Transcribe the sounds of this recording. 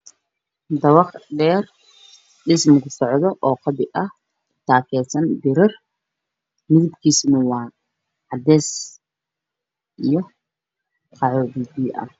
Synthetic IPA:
d̪ɐwɑχdɛːr | ɗɪsmɡʊsɔʕd̪ɔʔɔːqɑbɪʔɐh | t̪ʰaːkʰɛːsɐnd̪ɪɾɐr | mɪðɪbkʰiːsnɐwɑː | ʕɑd̪ɛːs | ʔijɔ | qʰɑʕɔdid̪iːʔɐ̰h

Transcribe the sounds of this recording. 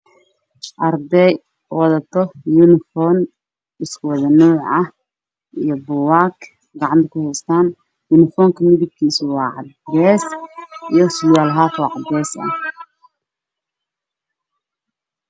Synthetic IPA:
ʔɐrd̪ɛj | wɑðɐt̪ʰɔjunɪfɔːn | ɪskʰʊwɑðɐnuːʕɐh | ijɞbʊwaːkʰ | ɡɑʕɑnt̪ʰɐkʰʊhɛjst̪ʰaːn | junɪfɔːŋkʰɐmɪðɪɡkʰiːsʊwɑːʕɑ̰d̪ɾɛːsijɞsʊjaːlɦaːfɔːʕɑd̪ɛːsɐ̰h

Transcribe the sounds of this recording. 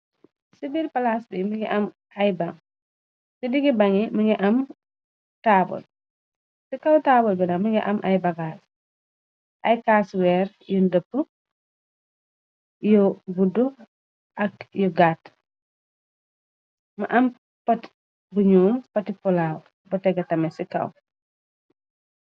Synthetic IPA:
sibilpɐlasbimɐŋɡiʔɐm | ɐjbaŋ | sidiɡibɐŋimɐŋɡiʔɐm | tabɔ̰l | sikɐwtaːbɔlbinamɐŋɡḭʔɐ̰mʔa̰jbɐɡas | ʔɐjkaswɛɾ | jɔndəpːə | jɔbudu | ʔɐkjuɡat | mɐʔɐm | pɐt | buɲuːmpɐtipɔlaw | bɔtɛɡɐtɐmɛsikɐ̰w

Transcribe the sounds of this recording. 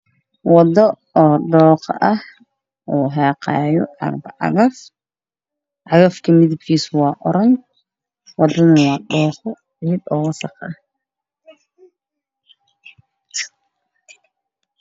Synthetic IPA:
wɑd̪ɔ | ɔːɖɔːqʔɐh | ʔuːɦɑːqɑ̰ːjɔʔɑ̰ɡbɐʕɑ̰ɣɐf | ʔɑɣɐfkʰɐmɪðɪb̚kʰiːsʊwɑːʔɔɾɐŋ | wɑd̪ɐnɐwɑːɖɔːχɔ | ʕiːd̪ɔːwɐsɐqɐ

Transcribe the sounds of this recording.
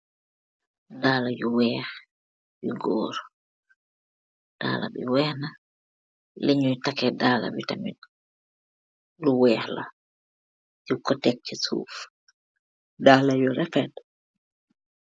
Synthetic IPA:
daːlajuwɛːɾ | biɡɔ̰ːɾɔ | d̥a̰ːla̰ɓḭwɛhna | leɲujtakɛdaːla̰ɓitamḭn | luwɛhla̰ | jukːɔtɛk̚t͡ʃɛsṵːf | daːlajɔɾɛfɛd

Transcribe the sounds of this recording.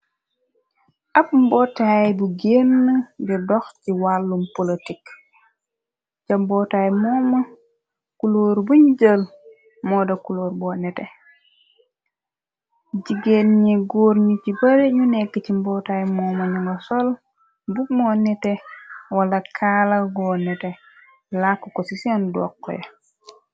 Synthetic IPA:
ʔapmbɔtajbuɡenːəɟudɔxciwalːumpolitik | ɟɐmbɔtajmɔːmɐ | kuloːɾbuɲuɟəl | mɔdɐkuloːɾbɔːnɛtɛ | ɟiɡenɲiɡoːɾɲicibɐɾeɲunɛɡəcimbɔːtajmɔːmɐɲuŋosol | bumɔnɛtewalɐkʰalɐɡɔnɛtɛ | lakːokɔsisiandɔ̰kːɔ̰jɐ̰

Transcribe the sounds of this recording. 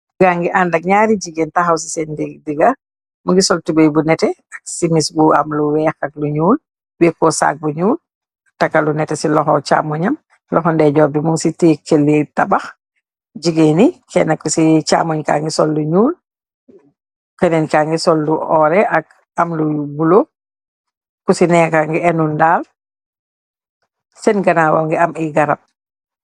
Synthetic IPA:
ɡaŋɡiʔandɐk̚ɲaːɾiɟiɡentaxaws̬isɛndidiɡa | muŋɡisɔltubejbunɛtɛɐk̚simisbua̰mluwɛːxɐk̚luɲuːl | wɛkːɔsa̰k̚buɲuːl | takːalunɛtɛsilɔxɔt͡ʃa̰ːmɔɲɐm | lɔxɔndɛɟɔːbimuŋsitikːelːitabax | ɟiɡenikɛ̰nakːusit͡ʃa̰ːmɔɲka̰ːŋɡisɔlːuɲuːl | kɛnɛnkaːŋɡisɔlːuɔɾɛʔak̚ | ɐmlubulo | kusinɛkaŋɡɛɛnundaːl | sɛnɡɐnawɔ̰ŋɡɛɐmiɡɐɾap̚

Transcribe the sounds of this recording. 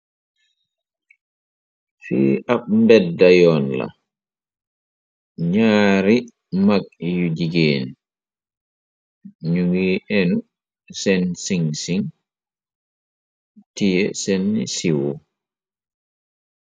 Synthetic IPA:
fḭːʔaɓmbɛdːajɔnla̰ | ɲaːɾi | mak̚jud͡ʒiɡeːni | ɲuŋɡiːʔɛnu | sɛnsiŋsiŋ | tijɛsɛnːḭsiwɔ

